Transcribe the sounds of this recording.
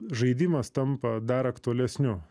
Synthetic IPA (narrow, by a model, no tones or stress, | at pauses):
ʒɐɪd̪ʲiːmɐst̪ɐmpɐd̪ɐɾɐkt̪ʊɐlʲɛsʲnʲʊ